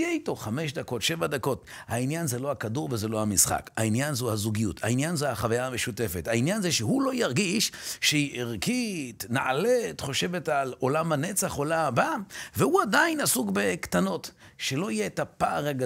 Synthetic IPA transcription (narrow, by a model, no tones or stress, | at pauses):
ijeito̞χame̞ʃd̪ako̞tʃe̞vad̪ako̞thainjanzelo̞hakaduʁvezelo̞hamisχa̰kha̰injanzuhazuɡijutʰa̰injanzeaχavajaːmeʃute̞fethainjanzeʃehulo̞jaʁɡiʃʃeiʔeʁkit̪naʔalet̪χo̞ʃe̞ve̞talo̞lamhane̞t͡saχo̞lamabavehuadainasuɡbe̞kt̪ano̞tʃelo̞ijeetapaːʁaɡa